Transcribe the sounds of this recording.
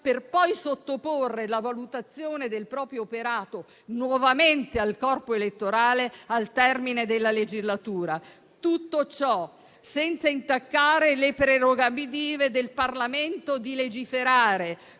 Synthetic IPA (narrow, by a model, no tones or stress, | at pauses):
perpɔjsot̪ːoporːelavalut̪at̪sːjoːned̪elpɾɔːpɾjoːpeɾaːt̪o | nwɔvament̪ealkɔrpoelet̪ːoɾaːlealt̪ɛrmined̪elːaled͡ʒizlat̪uːɾa | t̪ut̪ːot͡ʃɔ | sɛnt̪saint̪akːaːɾelepɾeɾoɡabid̪iːved̪elparlament̪od̪iled͡ʒifeɾaːɾe